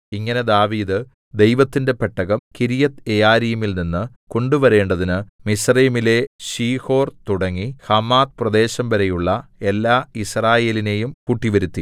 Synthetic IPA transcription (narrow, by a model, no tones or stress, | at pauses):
iŋːɐne̞d̪aːʋiːd̪ɨ | d̪e̞jʋɐt̪ːinde̞peʈːɐɣɐmkiɾijɐt̪ejaːɾijumilninːɨ | ko̞ɳɖuʋɐɾe̞ːɳɖɐðinɨmisriːmile̞ɕiːho̞ːrt̪uɽɐŋːihɐmːaːt̪prɐd̪e̞ːɕɐmʋɐɾejuɭːɐe̞lːaːisraːje̞ːline̞jumkuʈːiʋɐɾut̪ːi